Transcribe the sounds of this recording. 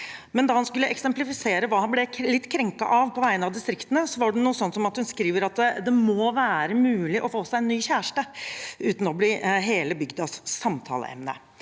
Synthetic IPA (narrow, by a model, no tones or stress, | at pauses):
mɛnd̪ɑːhɑnskʉlːəʔɛksɛmplɪfɪseːɾəʋɑːhɑnblɛlɪt̪ːkʰɾɛŋkɑ̰ʔɑʋpʰɔʋæɪənɑʋd̪ɪst̪ɾɪkt̪ənəsɔʋɑɖɛnuːəsɔnːsɔmɑt̪hʉnskɾiːʋəɾɑt̪d̪ɛmɔʋæːɾəmʉːlɪʔɔfoːsæɪɛnːyːçæːʂʈəʉːt̪n̩ɔbliːɦeːləbʏɡd̪ɑssɑmt̪ʰɑ̰ːlə̰ɛ̰mnə̰